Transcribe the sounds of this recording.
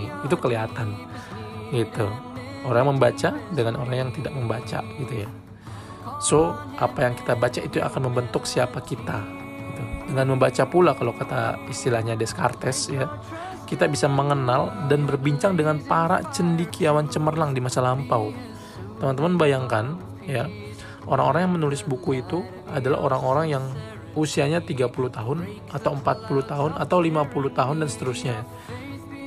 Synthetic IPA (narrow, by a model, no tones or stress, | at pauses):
it̪ukəliɦat̪an | ɡit̪u | oɾaŋjməmbat͡ʃadəŋanoɾaŋjaŋt̪idak̚məmbat͡ʃa̰ɡit̪uja | so | ʔapajaŋki̥t̪abat͡ʃaʔit̪ua̰kanməmbənt̪ʊksiapakit̪a | ɡit̪udəŋanməmbat͡ʃapulakalokat̪a̰ist̪ilahɲadɛskart̪ɛsja | kit̪abisaməŋənaldanbərbiɲt͡ʃaŋdəŋanpaɾa̰t͡ʃəndikiawant͡ʃəmərlaŋdimasalampaw | t̪əmənt̪əmanbajaŋkan | ja | ʔoɾaŋoɾaŋjaŋmənulɪsbukuit̪u | adala̰ʔoɾaŋoɾaŋjaŋ | usiaɲat̪iɡapuluht̪aɦʊn | at̪awəmpat̪̚puluht̪aɦʊnat̪awlimapuluht̪aɦʊndansə̥t̪əɾʊsɲa